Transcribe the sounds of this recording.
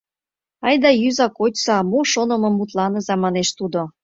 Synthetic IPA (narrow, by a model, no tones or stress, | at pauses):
ɑjd̪ɑjyzɑkot͡ɕsɑmoʃonɤ̆mɤ̆mːut̪lɑnɤzɑmɑneʃt̪ud̪o